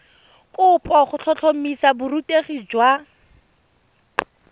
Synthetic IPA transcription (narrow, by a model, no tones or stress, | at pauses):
kʼʊpʼɔχʊɬʰɔɬʰomisabʊɾutʼeχid͡ʒwa